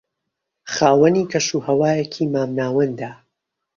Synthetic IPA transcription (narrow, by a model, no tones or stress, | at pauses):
χaːwɐnikʰɐʃuːhɐwaːjɛkʰiːmaːmnaːwɐnd̪aː